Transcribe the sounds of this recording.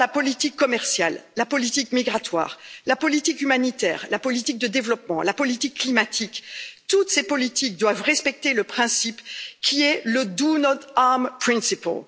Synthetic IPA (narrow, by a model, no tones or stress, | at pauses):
lapɔlit̪ikːɔmɛʁsjalːapɔlit̪ikmiɡʁat̪wa̰ːʁlapɔlit̪ikymanit̪ɛ̰ːʁlapɔlit̪ik̚d̪əd̪evlɔpmɑ̃lapɔlit̪ikːlimat̪ʰikt̪ut̪sepɔlit̪ik̚d̪wavʁɛspɛk̚t̪eləpχɛ̃sipkʲʰiɛləd̪unɔt̪aʁmpχĩsipɔ̰l